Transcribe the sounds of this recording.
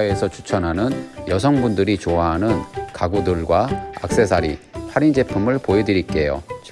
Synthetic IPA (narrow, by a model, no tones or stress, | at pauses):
e̞sʰʌt͡ɕʰu̥t͡ɕʰʌnɦanɯnjʌs̬ʰʌŋbundɯɾit͡ɕoaɦanɯnkaɡudɯɭɡwaa̰k̚s͈e̞sʰaɾipʰaɾind͡ʑe̞pʰumɯɭpoedɯɾik͈e̞jo̰t͡ɕ